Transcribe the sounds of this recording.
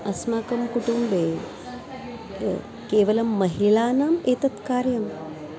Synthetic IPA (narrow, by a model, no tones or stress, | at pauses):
ɐsmaːkɐmkuʈumbe | keːʋɐlɐmːɐɦilaːnaːmeːt̪ɐt̪kaːɾjɐm